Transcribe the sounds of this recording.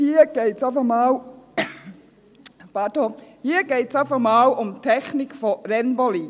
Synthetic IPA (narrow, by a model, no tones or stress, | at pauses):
hiːɡ̥eːtsafəmɑːl | pɑd̥ohiːɡ̥eːtsafəmɑːlʊmtʰɛçnɪkfɔɾɛnbɔlin